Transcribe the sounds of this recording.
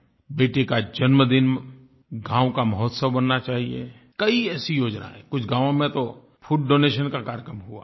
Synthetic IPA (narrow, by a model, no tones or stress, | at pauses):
beːʈekad͡ʒɐnməd̪ɪn | ɡãːwkamɦɔːt̪səbbɐnːat͡ʃaːɦiḛ | kɐiɛːsijoːd͡ʒna̰ɦɛ̰̃kʊt͡ʃʰɡãːʋõmẽt̪o | fʰuːʈ̚ɖoːneːʃənkakaːɾjkɾəmɦua̰ː